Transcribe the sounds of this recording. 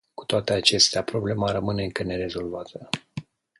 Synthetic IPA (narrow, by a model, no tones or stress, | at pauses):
ku̥t̪oat̪e̞at͡ʃe̞st̪eapɾo̞ble̞maɾəmɨne̞ɨŋkəne̞ɾe̞zo̞lvat̪ə